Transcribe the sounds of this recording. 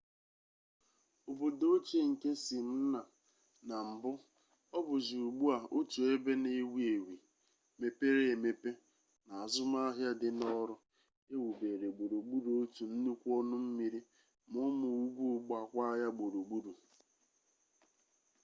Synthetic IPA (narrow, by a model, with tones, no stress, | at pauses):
o˨bo˨do˦t͡ʃe˦ŋ̩˨ke˦si˨n̩˦na˨ | na˨m̩˨bʊ˦ | ɔ˦bʊ˨zi˨u˨ɡ͡bu˦a˨o˦tu˨e˦be˦ne˨˦wi˦e˨wi˨ | me˨pe˦ɾe˦˨me˦pe˦ | na˨a˨zʊ˦ma˦a˦ɦja˦dɪ˦nɔ˦ɾʊ˦ | e˦wu˨be˨ɾe˨ɡ͡bo˨ɾo˨ɡ͡bu˦ɾu˨o˦tu˨n̩˦nu˦kʷu˦ɔ˦nʊ˦m̩˦mi˨ɾi˦ | mʊ˦mʊ˨u˦ɡu˦ɡ͡ba˨kʷa˦ja˦ɡ͡bo˨ɾo˨ɡ͡bu˦ɾu˨